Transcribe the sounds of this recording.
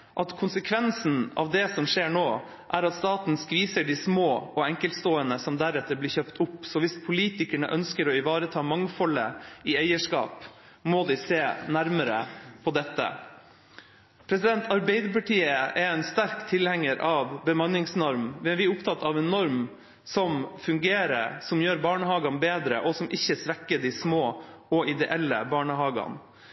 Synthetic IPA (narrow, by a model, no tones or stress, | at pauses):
ʔɑt̪kʰʊnsəkʰʋɛnsn̩ɑ̰ʋd̪ɛsɔmʂeːɾɳoː | ʔæɾɑt̪st̪ɑːt̪nskʋiːsəɖɪsmoːʔɔɛŋkəlt̪st̪oːənəsɔmd̪æɾɛt̪ːəɾblɪːɾçœpt̪ʰʊpːsɔʋɪspʰʊliːt̪ɪkæɳə̰ʔœnskəɾɔɪʋɑːɾət̪ʰɑːmɑŋfɔlə̰ɪæɪəʂkɑ̰ːp | mɔd̪ɪseːnæɾməɾə̰pʰɔd̪ɛt̪ːə̰ | pʰɾɛsɪd̪ɛnt̪ʰɑɾbæɪd̪əpɑʈiːəɛɾɛɪnst̪æɾkt̪ʰɪlhɛŋːəɾʔɑʋbəmɑnːɪŋsnɔɾmʋɛʋɪʊpt̪ʰɑt̪ːɑʋɛnːɔɾm | sɔmfʉŋɡeːɾə̰ɾsɔmjøːɾbɑːɳəhɑːɡɑnbeːd̪ɾə̰ʔɔsɔmʔɪçːəsʋɛkːəɖ̪ɪsmoːɔɪd̪ɛʔɛlːə̰bɑːɳəɦɑːɡɑ̰n